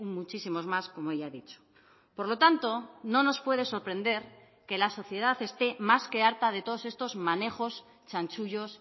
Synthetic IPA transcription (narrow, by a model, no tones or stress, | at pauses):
ummut͡ʃisimo̞zmasko̞moejaðit͡ʃo̥ | po̞ɾlo̞t̪ant̪o̞no̞no̞spwe̞ð̞e̞so̞ɾpɾẽ̞nd̪e̞ɾ | ke̞laso̞θje̞ð̞aθe̞st̪e̞maske̞aɾt̪að̞e̞t̪o̞ð̞o̞se̞st̪o̞zmane̞xo̞s | t͡ʃant͡ʃuʎo̞s